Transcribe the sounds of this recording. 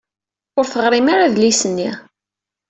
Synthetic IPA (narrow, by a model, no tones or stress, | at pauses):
ʊɾθəʁɾimaɾaðlisənːi